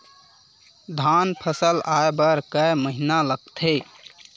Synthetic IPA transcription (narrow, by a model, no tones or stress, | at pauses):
d̪ʱanpʰəsəlaebəɾkəməɦinaləɡt̪ʰe